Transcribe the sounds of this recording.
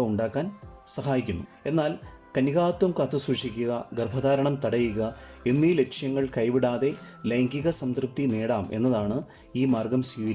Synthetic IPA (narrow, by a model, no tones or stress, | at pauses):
ɐuɳɖaːkːaːnsɐɦaːjikʲːunːue̞nːaːlkɐniɣaːt̪wɐmkɐt̪ɨsuʂikʲːuɣɐɡɐrbʱɐðaːɾɐɳɐmt̪ɐɽɐjuɣɐenːiːle̞kʂjɐŋːɐɭkɐjʋiɽaːðe̞lɐjŋɡiɣɐsɐnt̪rɨp̚t̪ineːɽaːme̞̰nːɐðaːɳɨ | iːmaːrɡɐmsiːʋiɾ